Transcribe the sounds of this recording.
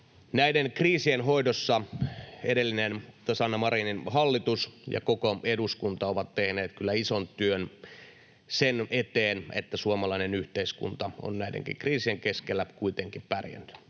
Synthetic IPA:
næidenkriːsienɦoidosːɑedelːinent̪osɑnːɑmɑriːninhɑlːit̪usjɑ̰kokoeduskunt̪ɑoʋɑt̪tehneːt̪kylːæisont̪yøn | senet̪eːnḛt̪ːæsuomɑlɑinenyht̪eiskṵnt̪ɑo̰nnæidḛŋkḭŋkriːsieŋkeskelːækuit̪eŋkippærjæ̰nːt̪y̥

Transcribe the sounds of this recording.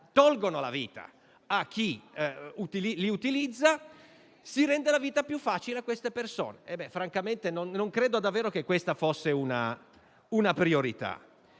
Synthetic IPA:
t̪ɔlɡonola̰viːt̪a̰ | ak̟ːiut̪ililiut̪ilid̪zːa | siɾɛnd̪elaviːt̪apjufːaːt͡ʃileakːwest̪eperso̰ːneɛbːɛfɾaŋkament̪enonːoŋkɾeːd̪od̪avːeːɾok̟ekːwest̪afosːeuna | unapɾioɾit̪a̰

